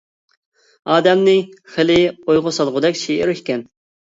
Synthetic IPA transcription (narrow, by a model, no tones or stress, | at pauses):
ɑːd̪ɛmnɪχɪlɪojʁʊsɑlˠʁʊd̪ɛkʲʃiʔɪɾʃkʲɛn